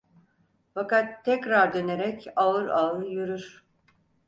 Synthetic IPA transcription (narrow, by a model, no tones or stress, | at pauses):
fakat̪ʰːɛcɾaɾd̪øne̞ɾɛcaɯɾaɯjyɾyɾ̥